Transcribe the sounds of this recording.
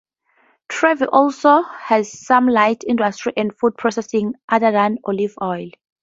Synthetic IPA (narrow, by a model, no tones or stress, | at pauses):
tʰɹɛviʔɔlsohɛz̥sãmlajtʰĩndastɹiʔɛ̃ndfud̚pʰɹɔsɛsĩŋʔadadãnɔlivɔjl